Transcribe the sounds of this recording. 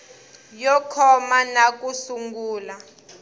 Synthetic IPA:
jɔkʰɔmanak̬ʼusuŋɡuːla

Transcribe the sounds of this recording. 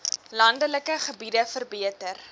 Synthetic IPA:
lɐndələkəχəbidəfərbiətər

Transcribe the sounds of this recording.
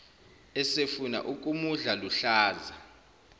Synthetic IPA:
ɛsefuna̰ʔukʼumuɮaluɬaːza

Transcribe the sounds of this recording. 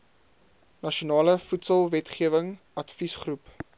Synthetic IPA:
nɐʃonɑːləfutsəlˠvɛtχiəvəŋ | ɐtfisχrup

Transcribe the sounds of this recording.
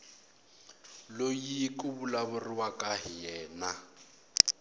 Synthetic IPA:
lojikʼʊbulabʊrɪwakʼaɦɪjɛːna

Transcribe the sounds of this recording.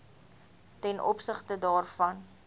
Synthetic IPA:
tɛnʔɔ̰psəχtədɑːrfɐn

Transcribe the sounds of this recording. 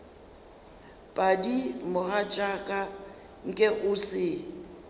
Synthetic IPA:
pʼadimʊɣat͡ʃʼakʼa | ŋ̩kʼɛʔʊsɪ

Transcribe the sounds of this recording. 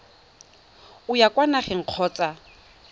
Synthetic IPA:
ʊjakʼwanaχɛŋ̩q͡χʰɔːt͡sʼa

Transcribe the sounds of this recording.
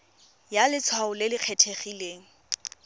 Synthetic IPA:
jalɪt͡sʰwaʊlɪlɪq͡χʰetʰeχileːŋ̩

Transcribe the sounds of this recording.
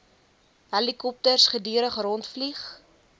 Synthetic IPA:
ɦɛlikɔp̚tərsχədiəɾəχrɔntfliχ

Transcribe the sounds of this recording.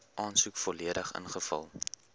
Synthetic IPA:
ʔɑːnsukfɔliədəχə̰nχəfɐ̰lˠ

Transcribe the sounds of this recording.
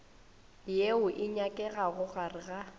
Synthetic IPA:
jeʊʔɪɲakʼɛɣaɣʊɣarɪɣa

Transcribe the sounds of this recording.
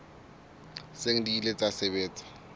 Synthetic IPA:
seŋ̩diːlet͡sʼasebeːt͡sʼḁ

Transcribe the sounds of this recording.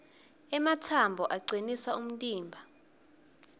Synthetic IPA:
ɛmatʰambʱɔʔaɡ͡ǀinisaum̩tʼiːmbʱa

